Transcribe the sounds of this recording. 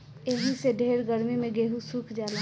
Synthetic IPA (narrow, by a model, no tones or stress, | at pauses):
eɦiseɖʱeːɾɡəɾmimẽɡeːɦusukʰd͡ʒaːle